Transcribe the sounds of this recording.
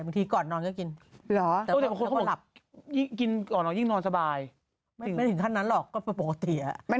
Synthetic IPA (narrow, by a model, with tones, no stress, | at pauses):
ba˧ŋt̪ʰiː˧kɔː˨˩nːɔː˧nkɔː˥˩ki˧nlɔː˩˦ʔɛ˨˧˩ɛː˨˩˨la˨˩p̚ji˥˩ŋki˧nkɔː˨˩nlɔː˨˩ji˥˩ŋnɔː˧nsa˧baː˧j | ma˥˩ɯ˩˦m˥˩jt̪ʰɯ˩˦ŋt̪ʰnːa˦˥nlɔː˨˩kːɔː˥˩pe˧˩po˨˩ka˧t̪i˨˩a˨˩ʔma˥˩